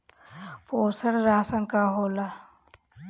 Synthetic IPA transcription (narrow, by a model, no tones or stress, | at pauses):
poːsəɽɾaːsənkaːɦoːla